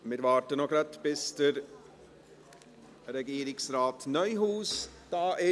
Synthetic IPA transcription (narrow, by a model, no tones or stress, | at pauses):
mɪɾʋɑːɾtənoɡɾat̪b̥ɪsd̥əɾ | ɾɛɡiːɾɪksɾaːtnœʏɦuːsd̥ɑːʔɪ